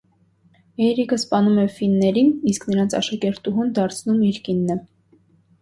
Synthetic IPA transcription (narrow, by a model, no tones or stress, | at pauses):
ɛɾikʰəspɑnumɛfinːɛɾinisknəɾɑnt͡sʰɑ̰ʃɑkɛɾt̪uɦund̪ɑɾt͡sʰnumiɾkinːə